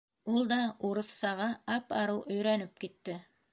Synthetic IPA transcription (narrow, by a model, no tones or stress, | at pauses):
ulˠd̪ɑuɾɤ̆θsɑʁɑɑpɑɾɤwʔɵ̆jɾænɘp̚kit̪ːɘ